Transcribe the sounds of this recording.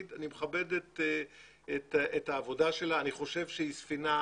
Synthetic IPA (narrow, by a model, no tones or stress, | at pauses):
danimeχabe̞det | etʔethaːvo̞daʃe̞laːniχo̞ʃe̞vʃeisfina